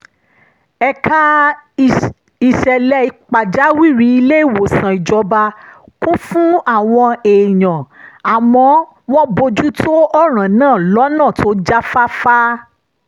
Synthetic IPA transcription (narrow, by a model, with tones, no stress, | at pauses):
ɛ˧kʰa˦ | i˨ʃɛ˨lɛ˧˦i˧k͡pa˨d͡ʒa˨˦wi˦˨ɾi˨˧˦i˧le˦i˦˨wo˨sã˨i˨d͡ʒɔ˧ba˧ | kũ˦fũ˦a˦˨w̃ɔ̃˧e˨j̃ã˨a˨mɔ̃˧˦ | w̃ɔ̃˦bo˧d͡ʒu˦tʰo˦ɔ˦ɾ̃ã˨nãː˦˨lɔ˨˦nãː˦˨tʰo˦d͡ʒa˦fa˦fa˦